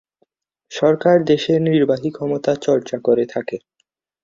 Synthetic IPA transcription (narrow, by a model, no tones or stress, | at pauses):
ʃɔɾkaɾd̪eʃeniɾbaɦikʰɔmot̪at͡ɕɔɾt͡ɕakoɾet̪ʰake